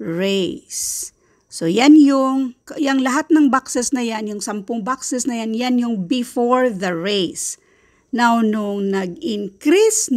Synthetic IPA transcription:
ɹejsː | ojanjʊŋkjɐŋlɐɦat̪̚nɐŋbaksɛsnɐjanjʊŋsɐmpʊŋbaksɛsnɐjanjanjʊŋbɪfoɹðɐɹejs | nawnʊŋnɐɡɪŋkɾisn

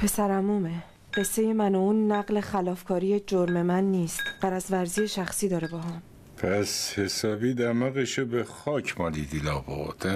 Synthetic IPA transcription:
pʰe̞sæɾæmume | ɢ̥e̞sːe̞je̞mænounːæɢle̞xælɒːfkʰɒːɾije̞d͡ʒoɾme̞mænːiːst̪ɢ̥æɾæzvæɾzijeʃæxsiːd̪ɒːɾebɒːɦɒːm | pʰæshesɒːbiːd̪æmæɣeʃobexɒːcʰmɒːlid̪ilɒːbo̰ɾd̪̥æ

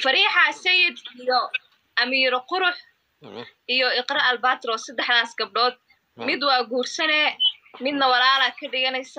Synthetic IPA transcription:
fɐɾiːħasɐjɪd̪ijɔ | ʔɐmiːɾɔqʊɾʊħ | ʔijɔɪqrɐɐlbaːt̪rɔːsɐd̪ɛħd̪aːsɡɐb̚ɖɔːd̪̚ | mɪd̪wɑːɡuːrsɐnɛːmɪd̪nɐwɑlaːlaːkʰɐɖɪɣɐnɛjsɐ

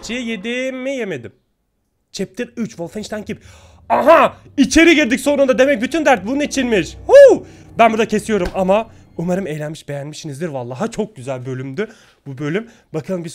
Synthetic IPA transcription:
t͡ʃʰijed̪imijeme̞d̪im | t͡ʃʰɛp̚t̪ʰiɾyt͡ʃvolˠfɛnʃt̪æncip | aɦa | it͡ʃʰe̞ɾiɟiɾʲd̪icʲso̞nund̪ad̪e̞mɛc̚byt̪ʰynd̪æɾt̪̚bunnit͡ʃʰinmiʃhu | bænbuɾd̪acʰe̞sijo̞ɾumama | umaɾɯmejlʲænmiʃbe̞jænmiʃinizd̪iɾvalˠːaːɦat͡ʃʰo̞k̚ɟyzælʲbø̞lʲymd̪y | b̥ubø̞lʲym | bakʰɯlˠɯmbi

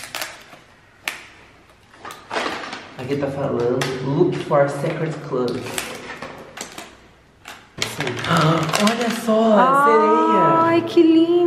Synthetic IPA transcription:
akit̪afalɐ̃nd̪ʊlukfɔɾsɛkɾedkʰlɐbs | asĩaɔʎɐsɔseɾejɐkʰɪlĩ

